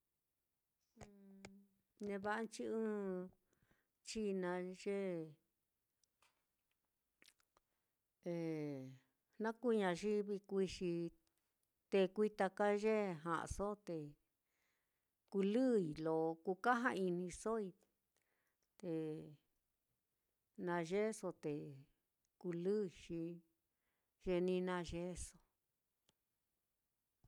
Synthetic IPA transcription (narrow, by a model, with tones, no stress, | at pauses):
ɨ̃˧ | nẽ˧βa˦ʔa˦nt͡ʃi˦ɨ̃ː˦ | t͡ʃi˦nã˧ʒe˦ | e˨ | nã˦ku˦ɲã˧ʒi˦βi˧kʷi˧ʂi˧ | t̪e˧kʷi˧t̪a˧ka˦ʒe˦ɦã̰˨ʔa̰˧so˦t̪e˧ | ku˧lɨ˦i˨lo˨ku˧ka˦ɦã̰˧i˧nĩ˧so˦i˧ | t̪e˨ | nã˧ʒe˦so˧t̪e˨ | ku˧lɨ˦i˨ʃi˧ | ʒe˧nĩ˧˦˧nã˧ʒe˦so˧